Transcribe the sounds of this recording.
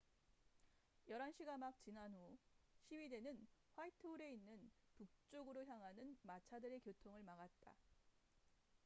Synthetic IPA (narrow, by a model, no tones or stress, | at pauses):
jʌɾanɕʰiɡamak̚t͡ɕinanɦuɕʰiwɥide̞nɯnɸwaitʰɯuɾe̞inːɯnpuk̚t͡ɕ͈oɡɯɾoçjaŋɦanɯnmat͡ɕʰadɯɾe̞kjotʰoŋɯɭmaɣat̚t͈a̰